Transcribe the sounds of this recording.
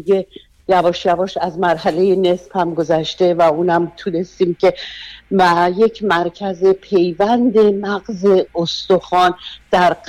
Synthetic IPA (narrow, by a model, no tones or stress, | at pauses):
e | jævɒːʃjævɒːʃæzmæɾɦæle̞je̞ne̞sphæmɡo̞zæʃt̪e̞væuːnæmt̪ʰune̞st̪iːmcʰe̞mæje̞cʰmæɾcʰæze̞pʰe̞jvænd̪e̞mæɣze̞ost̪oxɒːnd̪̥æɾ